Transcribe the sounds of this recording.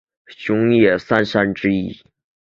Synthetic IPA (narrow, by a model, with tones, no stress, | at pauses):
ɕjʊ˧˥ŋjɛ˥˩sa˥nʂa˥nʈ͡ʂɻ̩˥i˥˩